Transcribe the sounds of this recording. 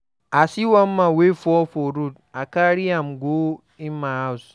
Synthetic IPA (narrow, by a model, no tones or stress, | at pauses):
asiwamːawefɔfoɾut̚ | akaɾiamɡo | imːas